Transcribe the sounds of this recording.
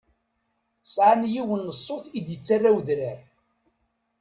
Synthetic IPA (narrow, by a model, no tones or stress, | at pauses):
sʕanjiwənːəsˤːoθid̪jət͡sːarːawðɾæɾ